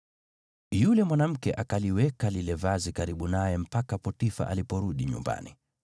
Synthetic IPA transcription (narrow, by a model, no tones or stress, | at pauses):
julɛmwanam̩kɛʔakaliwɛkalilɛvazikaɾiɓunajɛm̩pakapɔtifa̰ʔalipɔɾuɗiɲṵmba̰ni